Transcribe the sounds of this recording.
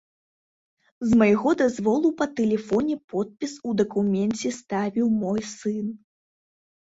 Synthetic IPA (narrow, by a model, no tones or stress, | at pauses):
zmɐjɣɔd̪azvɔlˠupɐt̪ɛlʲɛfɔnʲɛpɔt̪̚pʲisud̪ɐkumʲɛnt͡sʲɛst̪avʲiwmɔjsɨn